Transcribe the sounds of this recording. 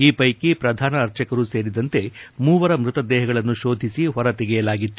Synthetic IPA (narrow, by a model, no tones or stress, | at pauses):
iːpɐjkipɾɐd̪ʱaːnɐːɾt͡ʃɐkɐɾuse̞ːɾid̪ɐnt̪e̞muːʋɐɾɐmɾut̪ɐd̪ɛːɦɐɡɐɭɐnːuʃo̞ːd̪ʱisiɦɔɾɐt̪ɛɡɛjɐlaːɡit̪ːu